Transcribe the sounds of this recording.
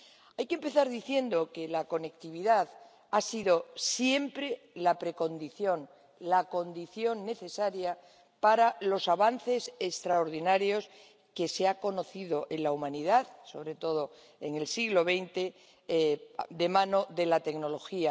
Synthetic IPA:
ajkempe̞θaɾðiθje̞nd̪o̞ke̞lako̞ne̞kt̪iβ̞iðað | asiðo̞sje̞mpɾe̞ | lapɾe̞ko̞nd̪iθjo̞ŋ | lako̞nd̪iθjo̞ŋne̞θe̞saɾja | paɾalo̞saβanθe̞sest̪ɾaoɾðinaɾjo̞s | ke̞seako̞no̞θiðo̞ʔe̞nlaumãniðaðso̞βɾe̞t̪o̞ð̞o̞ | eŋe̞lsiɣlo̞β̞e̞jnt̪e̞ | d̪e̞mãno̞ðe̞lat̪e̞kno̞lo̞xia

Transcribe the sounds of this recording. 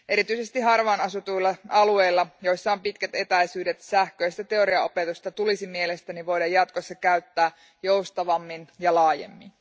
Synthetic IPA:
ʔe̞ɾit̪yise̞st̪iɦɑrʋɑːnɑsut̪uilːɑɑlue̞jlːɑjo̞jsːɑompit̪kæt̪e̞t̪æjsyːdet̪sæhkøjst̪æt̪e̞o̞ɾiɑo̞pe̞t̪ust̪ɑt̪ulisimielest̪æniʋo̞jdɑjːɑt̪ko̞sːɑkæyt̪ːæː | jo̞wst̪ɑʋɑmːinjɑlɑːjḛmːin

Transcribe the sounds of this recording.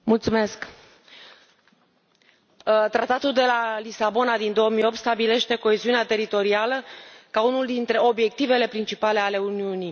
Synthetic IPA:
mult̪sume̞sk | t̪ɾat̪at̪uld̪e̞lalisabo̞nad̪ind̪o̞oəmio̞p̚t̪st̪abile̞ʃt̪e̞ko̞e̞ziuneat̪e̞ɾit̪o̞ɾialəkaunuld̪int̪ɾe̞o̞bje̞k̚t̪ive̞le̞pɾint͡ʃipale̞ale̞uniuni

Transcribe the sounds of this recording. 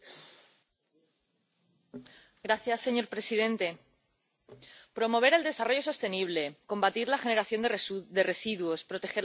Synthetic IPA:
ɡɾaθjasːeɲo̞ɾpɾe̞sið̞e̞nt̪e̞ | pɾo̞mo̞β̞e̞ɾe̞ld̪e̞saro̞ʝo̞so̞st̪e̞niβ̞le̞ko̞mbat̪iɾlaxe̞ne̞ɾaθjo̞nd̪d̪e̞re̞siðwospɾo̞t̪e̞xe̞ɾ

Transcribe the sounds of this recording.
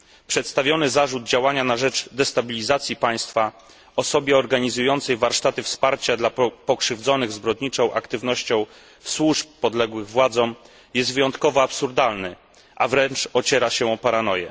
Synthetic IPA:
pʂɛt̪st̪avʲjɔnɘzaʐud̪̚d͡ʑawaɲanaʐɛd͡ʐd̪ɛst̪abʲilʲizat̪sʲjipaj̃st̪fa | ɔsɔbʲjɛɔɾɡaɲizujɔnt̪sɛjvaɾʂt̪at̪ɘfspaɾt͡ɕad̪lapɔkʂɘvd̪zɔnɘɣzbɾɔd̪ɲit͡ʂɔ̃w̃ʔa̰kt̪ɘvnɔɕt͡ɕɔ̃w̃ | fswuʂpːɔd̪lɛɡwɘɣvwad̪zɔ̃w̃ | jɛst̪vɘjɔnt̪kɔvɔapsuɾd̪alnɘ | ʔavɾɛnt͡ʂɔt͡ɕɛɾaɕɛɔpaɾanɔjɛ̰

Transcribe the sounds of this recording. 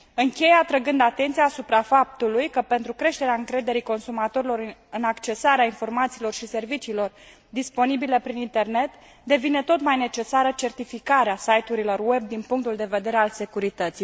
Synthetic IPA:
ɨŋkʲe̞jat̪ɾəɡɨnd̪at̪e̞nt̪sijaːsupɾafap̚t̪ulujkəpe̞nt̪ɾukɾe̞ʃt̪e̞ɾeaɨŋkɾe̞d̪e̞ɾiko̞nsumat̪o̞ɾilo̞ɾɨnakt͡ʃe̞saɾeainfo̞rmat̪siːlo̞rʃise̞rvit͡ʃiːlo̞r | d̪ispo̞nibilepɾinint̪e̞rne̞t̪ | d̪e̞vine̞t̪o̞t̪majne̞t͡ʃe̞saɾət͡ʃe̞rt̪ifikaɾeasajt̪uɾilo̞rwe̞b̚d̪inpuŋk̚t̪uld̪e̞ve̞d̪e̞ɾe̞alse̞kuɾit̪ət̪sij

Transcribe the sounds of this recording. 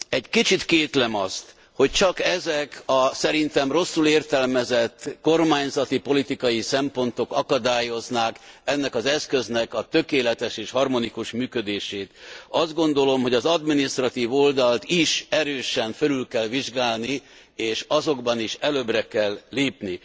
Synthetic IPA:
ɛɟkit͡ʃit̪keːt̪lɛmɒst̪ | ho̞c̚t͡ʃɒkɛzɛkɒsɛɾint̪ɛmro̞sːuleːrt̪ɛlmɛzɛt̪ːko̞rmaːɲzɒt̪ipo̞lit̪ikɒjisɛmpo̞nt̪o̞kɒkɒd̪aːjo̞znakɛnːɛkɒzɛskø̞znɛkɒt̪økeːlɛt̪ɛʃeːʃhɒrmo̞nikuʃmyːkø̞d̪eːʃeːt̪ɒzd̪ɡo̞nd̪o̞lo̞mɦo̞ɟɒzɒd̪minist̪rɒt̪iːvo̞ld̪ɒlt̪iʃɛɾøːʃɛɱnfølylkɛlʋiʒɡaːlni | eːʃɒzo̞ɡbɒniʃɛløːbrɛkɛlːeːpni

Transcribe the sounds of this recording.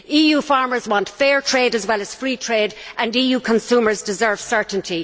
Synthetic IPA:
iːjuːfaɹmə˞zwɑ̃ntfɛːɹtʰɹ̥eɪɾəzwɛləz̥fɹiːtʰɹ̥eːɾʔə̃niːjuːkʰə̃nsuːmə˞zdɪzɜ˞v̥sɜ˞ʔn̩tʰi

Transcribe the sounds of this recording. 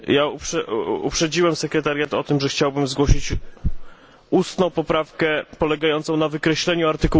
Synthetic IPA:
jaupʂɛṵpʂɛd͡ʑiwɛmsɛkɾɛt̪aɾʲjat̪ɔt̪ɘmʐɛxt͡ɕawbɘmzɡwɔɕit͡ɕ | ust̪nɔ̃w̃pɔpɾafkɛpɔlɛɡajɔnt̪sɔ̃w̃navɘkɾɛɕlɛɲuaɾt̪ɘku

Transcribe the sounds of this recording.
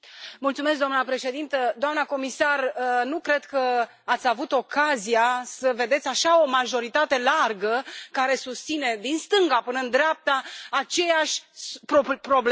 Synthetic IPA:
mult̪sumeskd̪oamnəpɾe̞ʃe̞d̪int̪əd̪oamnəko̞misarnukɾe̞d̪kə | at̪sʲavut̪o̞kazijasəve̞d̪e̞t̪sʲaʃao̞maʒo̞ɾit̪at̪e̞larɡəkaɾe̞sust̪sine̞d̪inst̪ɨŋɡapɨnəɨnd̪ɾeap̚t̪aːt͡ʃe̞jaʃʲpopɾo̞bl

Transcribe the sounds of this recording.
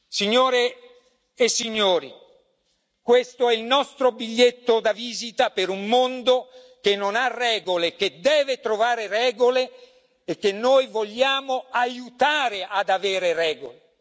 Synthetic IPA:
siɲːoːɾeː | sːiɲːoːɾḭ | kwest̪oɛilnɔst̪ɾobiʎːet̪ːod̪aviːzit̪apeɾummond̪o | k̟enːonarːɛːɡolek̟ed̪ɛːvet̪ɾovaːɾerɛːɡoleː | k̟ːenːoːjvoʎːaːmoajut̪aːɾeʔad̪aveːɾerɛːɡole

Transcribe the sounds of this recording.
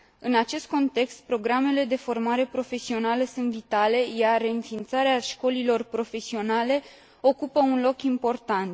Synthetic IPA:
ɨnat͡ʃe̞st̪̚ko̞nt̪e̞kst̪̚pɾo̞ɡɾame̞le̞d̪e̞fo̞rmaɾe̞pɾo̞fe̞sio̞naləsunt̪vit̪ale̞jare̞ɨnfiːnt̪saɾeaʃko̞lilo̞rpɾo̞fe̞sio̞nale̞ | o̞kupəunlo̞kimpo̞rt̪ant̪

